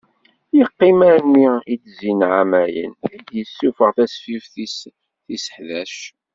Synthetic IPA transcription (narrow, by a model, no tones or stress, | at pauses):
jəqːimæɾnːiit͡szinʕamæjə̰næd̪jəsːufəʁθæsfifθis | θisə̥ħðæʃ